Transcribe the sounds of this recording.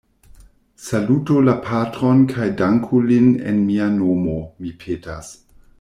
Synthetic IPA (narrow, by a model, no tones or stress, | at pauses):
salutulapʰatɾo̞nkʰajdaŋkʰulinḛnmianomomipʰeːtas